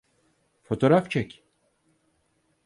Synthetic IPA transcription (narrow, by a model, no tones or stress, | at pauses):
fo̞t̪ʰo̞ɾaft͡ʃʰɛcʲ